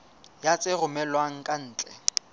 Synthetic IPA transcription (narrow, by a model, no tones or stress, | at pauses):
jat͡sʼɪrʊmɛlwaŋ̩kʼan̩ːt͡ɬʼɛ